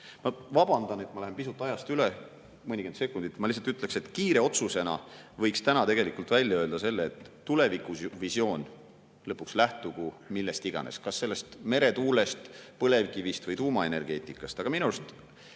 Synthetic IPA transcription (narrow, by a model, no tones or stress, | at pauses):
mɑvɑb̥ɑnd̪̥ɑne̞t̪mɑlæɦempisut̪ːˑɑjɑst̪yle | mɤnʲiɡ̥e̞nt̪sekːˑund̪̥it̪ːmɑlis̬ɑlt̪yt̪ːˑle̞kse̞t̪kiːɾe̞o̞t̪suse̞nɑ̰vɤjkst̪ænɑt̪e̞ɡe̞likult̪vælʲjɑøld̪̥ɑse̞lːeːt̪ːule̞vikˑuvisjo̞ːn | lɤpːukslæht̪uɡumilːest̪iɡ̥ɑ̰nḛskɑsːe̞lːe̞st̪me̞ɾe̞t̪uːle̞st̪pɤle̞vkivist̪vɤjt̪uːmɑe̞ne̞rɡ̥e̞ːt̪ˑikːˑɑst̪ɑɡɑminuɾst̪